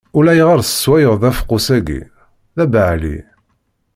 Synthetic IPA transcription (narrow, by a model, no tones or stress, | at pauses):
ʊlæjʁaɾˤsə̥swæjəʁðæfqːʊsæɡḭ | ðæbəʕlḭ